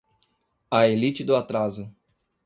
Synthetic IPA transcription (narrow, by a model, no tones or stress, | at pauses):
ɐelit͡ʃɪd̪ʊat̪ɾazʊ